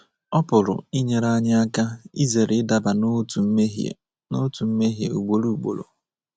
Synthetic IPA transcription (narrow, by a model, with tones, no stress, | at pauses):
ɔ˦pʊ˨ɾʊ̰˨i˦ɲe˨ɾa˦ɲɪ˦a˦ka˦i˦ze˨ɾɪ˦ɪ˦da˨ba˨n˦tu˨˦e˦ɦ | no˦tu˨m̩˦me˦ɦje˨ṵ˨ɡ͡bo˨ɾu˦u˨ɡ͡bo̰˨lo̰˨